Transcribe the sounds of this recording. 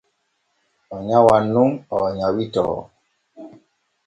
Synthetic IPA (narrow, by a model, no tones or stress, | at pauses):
ɔɲawanuŋɔɲawitɔ̰